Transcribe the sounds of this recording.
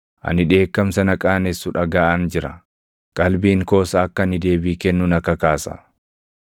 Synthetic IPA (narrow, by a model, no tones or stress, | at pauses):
ʔɐ̰nɪᶑe̞ːkːɐmsɐnɐkʼaːnɛsːʊᶑɐɡaːʔɐnd͡ʒɪɾɐ̰ | kʼɐlbiːŋko̞ːsɐːkːɐnɪd̪e̞ːbiːkɛnːʊnɐkːɐkaːsɐ̰